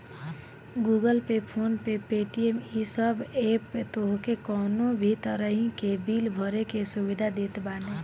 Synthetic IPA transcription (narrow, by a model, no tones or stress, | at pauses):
ɡuːɡəlpepʰoːnpepeːʈiemisəbeːpt̪oɦkekɔːnõbʱit̪əɾəɦĩkebiːlbʱɔɾekesubɪd̪ʱad̪eːt̪baːne